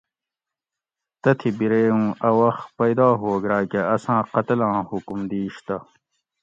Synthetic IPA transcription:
t̪ɐt̪ʰibiɾeːũːʔɐwɐxpɐjd̪ɑːɦoːɡɾaːkeɐsãːqɐt̪lãːhukumd̪iːɕt̪ɐ

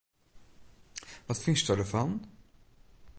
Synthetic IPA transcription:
vafɪnsd̪ɵhad̪ɵfanː

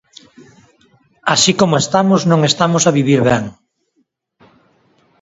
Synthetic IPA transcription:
asikomoest̪amoznõŋest̪amosaβiβ̞iɾβɛŋ

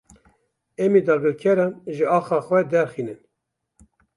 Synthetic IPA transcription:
ɛmid̪ɑːɡɨlkʰɛɾɑnʒɨɑːxɑːxwɛd̪ɛɾxiːnɨn

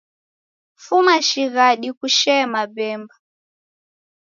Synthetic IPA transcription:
fumaʃiɣaɗikuʃɛmabɛmba

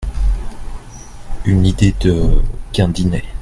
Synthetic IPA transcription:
ynid̪ed̪əkʲɛ̃d̪inɛ

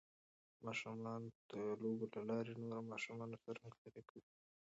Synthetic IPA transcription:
mɑʃumɑnd̪̥əloɡolalɑɾenoɾamɑʃumɑnosaɾmət̪aɾekəwi

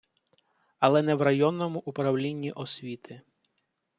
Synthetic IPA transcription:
ɐlˠɛnɛwrɐjɔnːɔmʊʔʊpɾɐwlʲinʲːiʔɔsʲʋʲit̪ʰɪ

